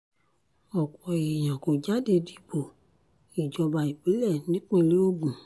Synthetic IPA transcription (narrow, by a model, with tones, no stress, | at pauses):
ɔ˨k͡pɔ˨i˨j̃ã˨ko˨d͡ʒa˨˦de˧di˦bo˨ | i˨d͡ʒɔ˧ba˨i˨k͡pi˨˦lɛ˦˨nĩ˨˦k͡pẽ˧li˨˦o˦ɡũ˨